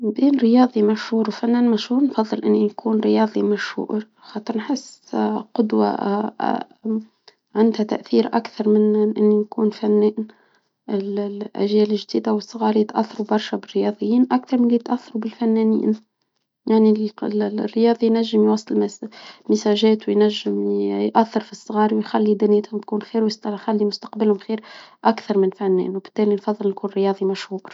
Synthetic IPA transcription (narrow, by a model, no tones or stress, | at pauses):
biːnɾɪjɑːðˤimæʃhuːɾwfænːɛːnmæʃhuːɾnfɑðˤːɨlʔɪnːinkʰuːnɾɪjɑːðˤimæʃhṵːʔɾ | xɑːt̪ˤəɾnħɪsːqʊd̪wa̰ | ʕand̪hæt̪a̰ʔθiːɾʔa̰kθɑɾˤmɪnʔɪnːinkuːnfanːɛːn | ɪlʔa̰ʒjæːlɪʒd̪iːd̪awɪsˤːʊɣɑːɾjɪt̪ʔaθːɑɾubɑɾˤʃabɪrːɪjɑːðˤɨjːiːnʔakθɑɾˤmɪnlːit̪ʔaθːɑɾubɪlfænːɛːnḭːn | jaʕnilrːɪjɑːðˤijnæʒːɪmjwɑsˤːɨlmɪsæʒɛːt̪wjnæʒːɪmjʔæθːɑɾfisˤːɣɑːɾwjxælːid̪ɪnæːt̪hʊmt̪̚kuːnxiːɾwjsxælːimʊst̪ɑqbɪlhʊmxiːɾʔakθɑɾˤmɪnfænːɛ̰ːnwbɪ̥t̪ːæːlinfɑðˤːɨlnkuːnɾjɑːðˤimæʃhuːɾ